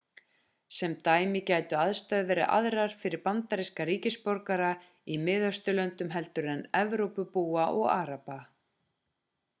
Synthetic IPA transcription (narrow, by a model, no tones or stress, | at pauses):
sɛmt̪aːjmɪcaːjt̪ʏaðst̪œɥðvɛɾɪ̰ʔa̰ðɾaɾ̥fɪɾɪɾpant̪aɾiskaɾiːcɪspɔɾkaɾa | imɪːðœst̪ʏlœnt̪ʏmɦɛlt̪ʏɾɛnɛvɾowpʏpuːaʔɔɣaːɾapa